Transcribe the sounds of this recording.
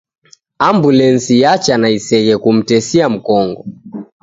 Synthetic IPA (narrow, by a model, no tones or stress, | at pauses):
ambulɛnsijat͡ʃanaisɛɣɛkum̩tɛsiam̩kɔŋɡɔ